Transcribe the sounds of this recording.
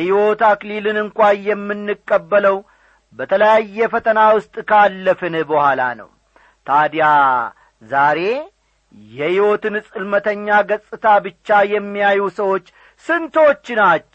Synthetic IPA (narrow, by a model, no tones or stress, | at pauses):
jhiwo̞t̪aklilɨnɨŋkʷajɛmːɨnːɨkʼːəbːələw | bət̪ʰələjajːɛfət̪ʰənawʊst̪ʼkʰalːəfɨnbəhala̰nə̰w | t̪ʰad̪ja | zaɾe̞ | jɛhiwo̞t̪ɨnɨsʼɨlmət̪ʰəɲːaɡəsʼɨt̪ʰabɨt͡ʃːajɛmːijajusəwo̞t͡ʃː | sɨnt̪ʰo̞t͡ʃːnat͡ʃː